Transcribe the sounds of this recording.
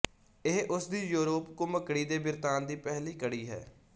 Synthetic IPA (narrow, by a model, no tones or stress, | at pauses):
ɪɦʔʊsd̪iːjuːɾoːpkõːməkɽiːd̪eːbɪɾt̪aːnd̪iːpɛɦliːkəɽiːɦɛ̰ː